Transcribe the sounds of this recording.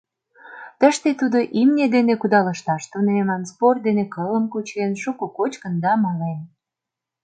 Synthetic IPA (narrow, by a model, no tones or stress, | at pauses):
t̪əʃt̪et̪ud̪oʔimnʲed̪enekud̪ɑləʃt̪ɑʃt̪unemɑmsport̪̚d̪enekələmkut͡ɕenʃukokot͡ɕkənd̪ɑmɑlen